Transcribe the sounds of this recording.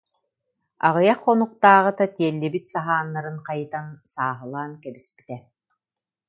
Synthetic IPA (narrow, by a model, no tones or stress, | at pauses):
a̰ʁɯjaχːɔnuq̚t̪aːʁɯt̪at̪iɛlːɛbit̪saɦaːnːaɾɯnqajɯt̪ansaːɦɯlˠaːnkɛbispi̥t̪ɛ